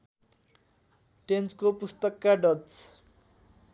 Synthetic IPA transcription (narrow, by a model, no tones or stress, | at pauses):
ʈent͡skopust̪ʌkːaɖʌt͡s